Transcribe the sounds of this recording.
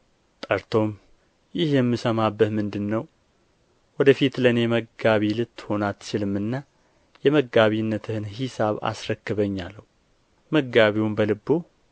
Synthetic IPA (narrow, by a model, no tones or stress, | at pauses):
t̪ʼəɾt̪ʰo̞m | jɪhjɛmːɨsəmabːət̪mɨnd̪ɨnːəw | wɔd̪əfit̪lənjɛməɡaβilɨt̪ːho̞nat̪ːt͡ʃɪlɨmːɨnːa | jɛməɡaβinːət̪ʰɨhɨnhisaβa̰sɾəkːɨβəɲːalːəhu | məɡaβiwmbəlɨbːo